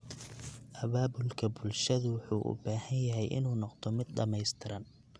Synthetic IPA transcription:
ʔɐβaːbʊlkʰɐbʊlʃɐðʊwɑħuːʔʊ̰baːhɐnjɐɦɛjʔɪ̰nuːnɔqd̪ʰɔmɪd̪̚ɖɐmɛjst̪ʰɪɾɐn

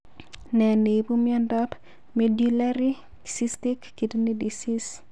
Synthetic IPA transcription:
nɛnebumjɔndɔp | medulaɾi | sistikːitnidisis

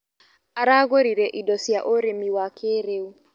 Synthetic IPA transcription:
aɾaɣoɾiɾɛʔidɔsiaʔoɾemiwakʰeɾeu

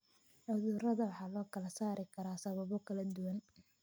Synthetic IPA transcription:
ʔɔðuːrɐðɐwɑħɑːlɔːkʰɐlɐsaːɾɪkʰɐɾaːsɐβɐβɔkʰɐlɐd̪ʊwɐn

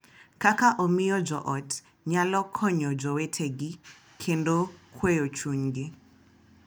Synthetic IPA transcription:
kakaʔɔmijɔd͡ʒɔʔɔt | ɲalɔkʰɔɲɔd͡ʒɔwɛtʰeɡi | kʰendɔkʰwejɔt͡ʃuɲɡe

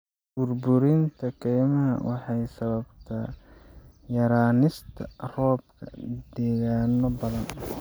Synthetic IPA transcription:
b̥ʊrbʊɾɪnt̪ʰɐkʰɛjmɐɦɐ̰wɑħɑjsɐβɐbt̪ʰɐ | jɐɾaːnɪst̪ʰɐ̰rɔːb̚kʰɐ̰d̪ɛːɣaːnɔbɐðɐn

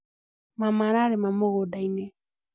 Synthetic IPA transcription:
mamaɾaɾemamoɣodaine

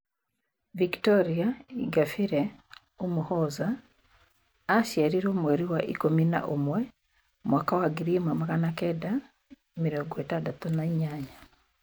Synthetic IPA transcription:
viktɔɾiaiɡafiɾɛ | omuhɔza | ʃjaɾiɾomwɛɾiwaʔḭkomina̰ʔomwɛ | mwakawaɡiɾimamaɣanakɛda | miɾɔɡɔetadatɔnaiɲaɲa

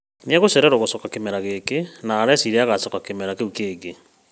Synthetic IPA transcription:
niaɣoseɾɛɾoɣosokakemeɾaɣekenaːɾɛsiɾeaɣasokakemeɾakeukeːɡe

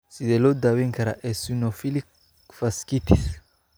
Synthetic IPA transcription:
sid̪ɛlod̪aweŋkaɾa̰ʔesunofilik | faskit̪is

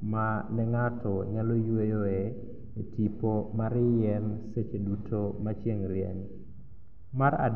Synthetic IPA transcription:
manɛŋatʰɔɲalojwejoe | etipomaɾɪjɛnset͡ʃedutʰomat͡ʃjeŋɾjɛ̰n | maɾa̰

